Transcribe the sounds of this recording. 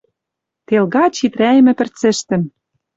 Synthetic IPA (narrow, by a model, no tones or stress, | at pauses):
t̪elɣɑt͡ɕit̪ɾæj̆mɘ̆pɘ̆rt͡sɘ̆ʃt̪ɘ̆n